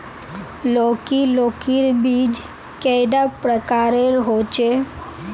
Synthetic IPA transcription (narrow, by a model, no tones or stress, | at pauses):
lokilokiɾbid͡ʒ | kɛjɖapɾəkaɾeɾɦot͡ʃʰe